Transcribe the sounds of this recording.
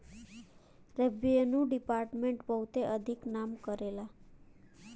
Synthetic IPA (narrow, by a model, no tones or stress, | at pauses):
ɾebienũɖipaɾʈmẽɳʈpəwt̪eʔəd̪ʱiknamkəɾela